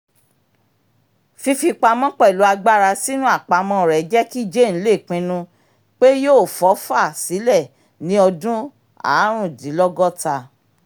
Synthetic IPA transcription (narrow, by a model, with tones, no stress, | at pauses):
fi˧fi˧k͡pa˧mɔ̃˦k͡pɛ˦˨lu˨˦a˧ɡ͡ba˦˨ɾa˧si˦nũ˦a˦˨k͡pa˧mɔ̃˧˦˨ɾɛ˨˦d͡ʒɛ˦ki˦˨d͡ʒe˦˨ñ̩˨˦le˦˨k͡pĩ˧nũ˧ | k͡pe˦joː˦˨fɔ˨˦fa˦˨si˨˦lɛ˦˨ | nĩ˨˦ɔ˧dũ˦ | a̰˨˦ɾ̃ũ˦˨di˨˦lɔ˦ɡɔ˦ta˧